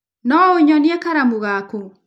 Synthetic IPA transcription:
nɔoɲɔniɛkaɾamuɣako

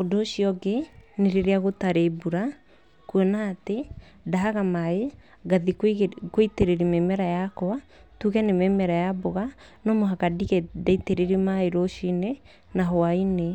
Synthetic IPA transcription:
odoʃiɔɡeneɾeɾeaɣotaɾebuɾa | kuɛnaːte | daaɣamae | ɡaðikoiteɾeɾimemɛɾajakoatuɣɛnemɛmɛɾajaboɣa | nɔmoɦakadiɣɛdaiteɾeɾimaeɾoʃine | naɦwaine

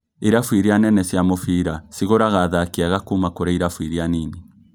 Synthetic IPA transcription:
eɾafwiɾianɛnɛsjamofiɾasiɣoɾaɣaðakiaɣakumakoɾaiɾafwiɾianini

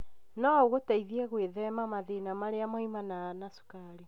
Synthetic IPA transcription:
nɔoɣotaiðiɛɣweðɛmamaðenamaɾeamaimananasu̥kaɾe

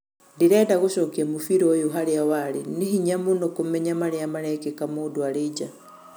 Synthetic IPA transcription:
ndiɾɛdaɣoʃɔkiamufiɾɔjuɦaɾeawaɾiniɦiɲamunokomɛɲamaɾeamaɾɛkekamuduaɾid͡ʒa

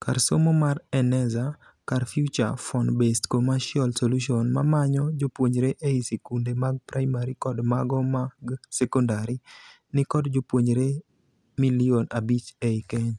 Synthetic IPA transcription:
karsomomarɛnɛza | karfjut͡ʃa̰fɔnbestkomaʃjɔlsoluʃiɔnmamaɲɔd͡ʒopwoɲɾeʔeisekundemaɡ̚pɾaimaɾikɔdmaɡɔmaɡsɛkɔndaɾi | nɪkɔdd͡ʒopwoɲɾe | milionabit͡ʃeikeɲ

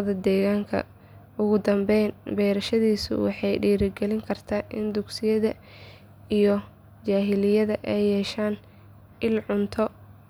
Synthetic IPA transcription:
ðɐd̪ɛːɣaːŋkʰɐ̰ | ʊɣʊd̪ɐmbɛjnbɛjɾɐʃɐðiːsʊ̰wɑ̰ħɑjɖiːɾɪɡɛlɪŋkʰɐrt̪ʰaːʔɪnd̪ʊɡsɪjɐðɐ | ijɞ | t͡ʃaːɦɪlɪjɐðɐʔɛjːɛːʃaːn | ɪlʕʊnt̪ʰɔ

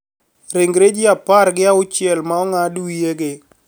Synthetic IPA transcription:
ɾeŋɡɾed͡ʒiapaɾɡɪaʊt͡ʃjɛlmaɔŋadujeɡɪ

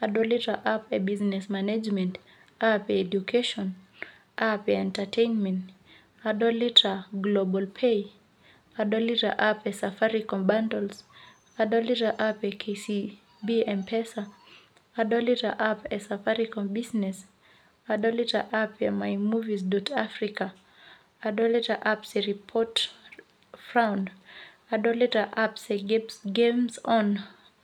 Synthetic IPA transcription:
aɗɔlitaʔapɛbiznɛsmanad͡ʒmɛ̃nt | apɛɛd͡ʒukʰɛʃɔ̃n | apɛɛ̃ntatʰejnmɛ̃nt | aɗɔlitaɡlɔbalpʰej | aɗɔlita̰ʔapɛsafaɾikɔ̃mbandɔls | aɗɔlitaʔapɛkʰesi | biɛ̃npʰɛsa | adɔlitaʔapɛsafaɹikɔ̃mbiznɛs | adɔlitaʔapɛmaɪmuvizdɔtʰafɹika | adɔlitaʔapsɛɹipʰɔt | fɹãʊ̃nd | adɔlitaʔapseɡɛpsɡẽmzɔ̃n

